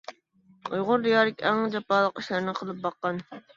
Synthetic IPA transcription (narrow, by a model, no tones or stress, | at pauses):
ojʁʊɾd̪ijɑːɾɪkʲɛŋd͡ʒɑpɑːlˠəqiʃlɪɾnɪqʰəlˠɨp̚bɑqːɑn